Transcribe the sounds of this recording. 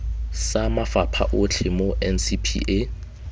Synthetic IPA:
samafapʰa̰ʔʊt͡ɬʰɪmoʔɛnsipʰḭʔe

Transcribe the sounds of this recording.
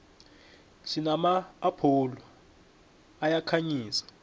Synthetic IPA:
ʃinamaːpʰolɔ | ajakʰaɲiːsḁ

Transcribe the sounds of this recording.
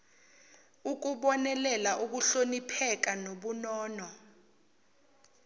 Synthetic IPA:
uk̬uɓɔnɛlɛlaʔuk̬uɬonipʰɛk̬anoɓunɔːnɔ

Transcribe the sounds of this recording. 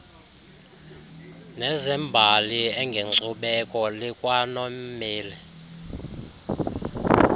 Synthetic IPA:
nɛzɛmbʱaliɛŋɡʱeŋ͡ǀuɓɛkʼɔlikʼwanɔmmeːlɛ

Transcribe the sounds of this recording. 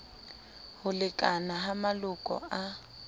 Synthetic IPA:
hʊlɪkʼanaɦamalʊkʼɔ̰a

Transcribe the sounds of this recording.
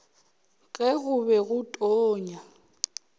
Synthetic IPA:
kʼɛɣʊbɛɣʊtʼoːɲa

